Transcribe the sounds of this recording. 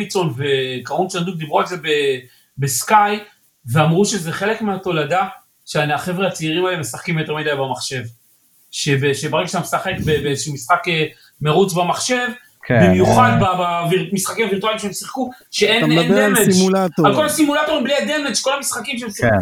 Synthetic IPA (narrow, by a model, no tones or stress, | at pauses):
it͡so̞nve̞kaʁunt͡sand̪uk̚d̪ibʁuezebe̞ | beskaj | veamʁuʃe̞zeχe̞le̞kmeat̪o̞lada | ʃeanaχe̞vʁeat͡seiʁimalemesaχkimjot̪emid̪ajbamaχʃe̞v | ʃebeʃebaʁeɡaʃamesaχe̞kbebeʃumisχake | me̞ʁut͡sbamaχʃe̞v | bimjuχad̪babavimisχakimaviʁt̪ualimʃeemsiχkuʃeʔendemed͡ʒalkolasimulat̪oimbliad̪e̞me̞d͡ʒko̞lamisχakimʃeemsi